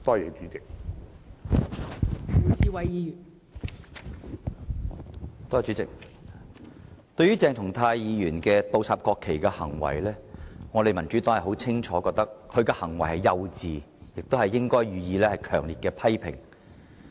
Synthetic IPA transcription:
t̪ɔː˥jɛ˨t͡ʃyː˨˦˥t͡sɪ˨k̚ | u˨˩siː˧wɐ˨jiː˨˧jyː˨˩n | t̪ɔː˥˨˧t͡ʃyː˨˥t͡sɪ˨k̚ | t̪ɵ˧ɥyː˥t͡sɛː˨ŋt̪ʰʊ˨˩ŋt̪ʰaː˧jjiː˨˧jyː˨˩nkɛː˧t̪o˧wsʰaː˨p̚kɔː˧kʰːe˨˩jkɛː˧hɐ˨˩ŋwɐ̰˨˩jlɛː˥ŋɔː˨˧ɾe˨jmɐ˨˩nt͡ʃy˨˥t̪ɔː˥ŋhɐ˨˩ɦo˨˥wt͡sʰɪ˥ŋt͡ʃʰɔː˨˥kɔː˧k̚t̪ɐ˥k̚kʰɵ˨˧ɥkɛː˧hɐ˨˩ŋwɐ˨˩jhɐ˨˩jjɐ˧wt͡siː˨ | jɪ˨k̚t̪o˥hɐ˨jːɪ˥ŋkɔː˥jɥyː˨jiː˨˧lɛː˥hɐ˨jkʰœː˨˩ŋliː˨t̚kɛː˧pʰɐ˥jpʰɪ̰˨˩ŋ

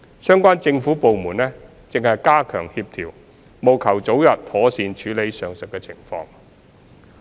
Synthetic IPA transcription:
sœː˥ŋkʷaː˥nt͡sɪ˧ŋfu˨˥po˨wmuː˨˩nlɛː˥ | t͡sɪ˨ŋhɐ˨jkaː˥kʰœ̰ː˨˩ŋhiː˧p̚t̪ʰiː˨˩w | mo˨wkʰɐ˨˩wt͡so˨˥wjɐ˨t̚t̪ʰɔː˨˥siː˨˧nt͡ʃʰyː˨˥le˨˥jsœː˨ŋsɵ˨k̚kɛː˧t͡sʰɪ˨˩ŋfɔ̰ː˧ŋ

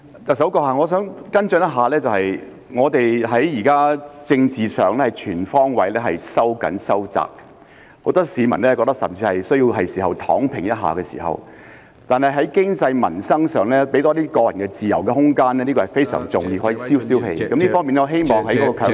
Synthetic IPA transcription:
t̪ɐ˨k̚sɐ˨˥wkɔː˧haː˨˧ŋɔː˨˧sœː˨˥ŋkɐ˥nt͡sœ˨˥njɐ˥t̚ɦaː˨lɛː˥t͡sɐ˨whɐ˨j | ŋɔː˨˧t̪e˨jɦɐ˨˥jjiː˨˩kaː˥t͡sɪ˧ŋt͡siː˨sœː˨ŋlɛː˥hɐ˨jt͡ʃʰyː˨˩nfɔː˥ŋwɐ˨˧jlɛː˥hɐ˨jsɐ˥wkɐ̰˨˥nsɐ˥wt͡sa̰ː˨k̚ | ho˨˥wt̪ɔː˥siː˨˧mɐ˨˩nlɛː˥kɔ˧t̪ɐ˥ksɐ̰˨˩mt͡siː˧hɐ˨jsɵ˥ɥji˧wɦɐ˨jsiː˨˩ɦɐ˨wt̪ʰɔ̰ː˨˥ŋpʰɪ˨ŋjɐ˥t̚ɦa̰ː˨˩kɛː˧sḭː˨˩hɐ̰˨˩w | t̪aː˨nhɐ˨jɦɐ˨˥jkɪ˥ŋt͡sɐ˧jmɐ̰˨˩nsɐ˥ŋsœː˨ŋlɛː˥pe˨˥t̪ɔː˥t̪iː˥kɔː˧jɐ˨˩nkɛː˧t͡siː˨jɐ̰˨˩wkɛ˧hʊ˥ŋkaː˥nɛː˥liː˥kɔ˧ɐ˨˩jfe˥jsœ̰ː˨˩ŋt͡sʊ˨˩ŋjiː˧hɔː˨˥jiː˧siː˥wsiː˥whḛ˧jkɐ˨˥mliː˥fɔː˥miː˨nɛ˥˧ɦe˥jmɔː˨ŋɦɐ˨˥jkɔː˨˥ɔ˧kʰœː˧˥

